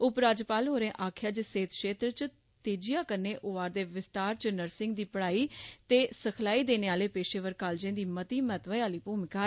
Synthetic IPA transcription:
ʊpɾaːd͡ʒpaːlɦoːɾẽːʔaːkʰjaːd͡ʒseːt̪ʃeːt̪ɾt͡ʃ | t̪eːd͡ʒijãːkəɾneːʔʊaːɾd̪eːʋɪst̪aːɾt͡ʃənəɾsɪ̃ŋɡd̪iːpəɽaːiːt̪eːsəkʰlaːiːd̪eːneːaːleːpeːʃeːʋəɾkaːld͡ʒẽːd̪iːmət̪iːmɛːt̪ʋəjaːliːpuːmɪkaː

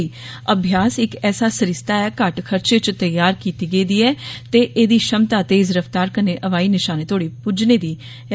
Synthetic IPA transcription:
iː | əbʱjaːsɪkɛːsaːsəɾɪst̪aːɛːkəʈkʰəɾt͡ʃeːt͡ʃt̪əjːaːɾkiːt̪iːɡeiːd̪iːɛːt̪eːʔeːd̪iːʃəmt̪aːt̪eːɪzɾəft̪aːɾkəneːʔəʋaːiːnɪʃaːneːt̪ʰoːɽiːpʊd͡ʒneːd̪iː

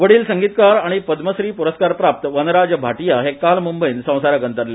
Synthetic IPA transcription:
ʋəɽiːlsəŋɡiːt̪kaɾaɽ̃ipəd̪məsɾiːpuɾəskaɾpɾap̚t̪əʋənɾad͡ʑbʱaʈijaɦekalmumbəjnsə̃w̃saɾjakənt̪əɾle

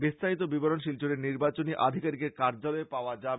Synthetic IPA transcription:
bist̪ʰait̪̬obiboɾonʃilt͡ɕoɾeɾniɾbat͡ɕoniʔa̰d̪ʱikaɾikeɾkaɾd͡ʑaloepaoad͡ʑab

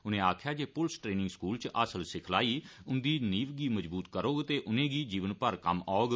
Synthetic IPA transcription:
ʊnẽːaːkʰjaːd͡ʒeːpʊlsʈɾeːnɪ̃ŋɡskuːlt͡ʃʔasəlsɪkʰlaːiːʊnd̪iːniːʋɡiːməd͡ʒbuːt̪kəɾoːɡt̪eːʔʊnẽːɡiːd͡ʒiːʋənpəɾkə̰maːoɡ

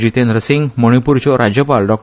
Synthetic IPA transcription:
d͡ʑit̪enɾəsiŋmɔɽ̃ipuɾt͡ɕoɾad͡ʑjəpalɖɔk̚

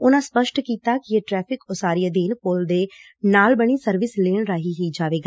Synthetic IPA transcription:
ʊnãːspəʃʈkiːt̪aːkɪeʈɾɛːpʰɪkʊsaːɾiaːd̪eːnpoːld̪eː | naːlbəɽ̃iːsəɾʋɪsleːɳɾaːɦiːɦiːd͡ʒaːʋeːɡaː

